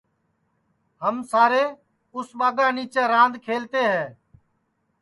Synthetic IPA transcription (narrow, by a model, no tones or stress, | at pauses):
ɦəmsaːɾeː | ʊsɓaːɡãːniːt͡ʃeːɾãːnd̪kʰeːlt̪eːɦɛː